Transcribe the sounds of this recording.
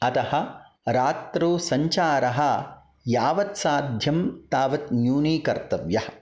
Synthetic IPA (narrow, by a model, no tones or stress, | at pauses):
ɐt̪ɐhɐ̆ | ɾaːt̪ɾoːsɐɲt͡ʃaːɾɐɦɐ̆ | jaːʋɐt̪saːd̪ʱjɐmt̪aːʋɐt̪njuːniːkɐɾt̪ɐʋjɐhɐ̥̆